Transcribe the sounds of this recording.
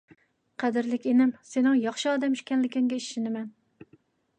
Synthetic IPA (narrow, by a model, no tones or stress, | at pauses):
qʰæd̪ɪɾlɪkʲenɪmsenɪŋjɑχʃɪɑːd̪ɛmyʃkʲɛnlɪkʲɪŋɡʲɛiʃʃɪnɪmɛn